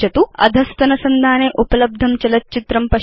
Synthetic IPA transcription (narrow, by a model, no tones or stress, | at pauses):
ɐt̪uɐ̰d̪ʱɐst̪ɐnɐsɐnd̪ʱaːneːʔupɐlɐb̚d̪ʱɐmt͡ʃɐlɐt̪̚t͡ʃit̪ɾɐmpɐ